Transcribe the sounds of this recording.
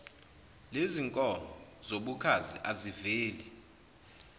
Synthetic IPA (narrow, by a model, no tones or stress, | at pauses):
leziŋkʼɔnɔzoɓukʰazḭʔaziveːli